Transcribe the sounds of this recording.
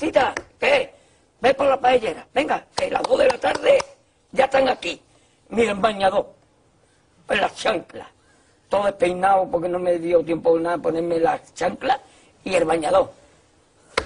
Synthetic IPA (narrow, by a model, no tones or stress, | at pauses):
t̪it̪ake | bepolapaeʎe̞ɾabe̞ŋɡakela̰ðoðe̞lat̪aɾðe | ʝaet̪aŋaki | miembaɲaðo̞ | elat͡ʃaŋkla̰ | t̪oðoepejnaopoɾkenõmeðjot̪je̞mponaponeɾmelat͡ʃaŋkla | ielβaɲaðo